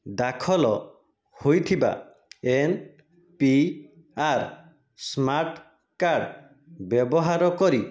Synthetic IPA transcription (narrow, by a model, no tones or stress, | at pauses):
d̪akʰɔlɔ | hojt̪ʰiba̰ | en | pi | aɾ | smaɾʈ | kaɖ | bɔbɔɦaɾɔkɔɾi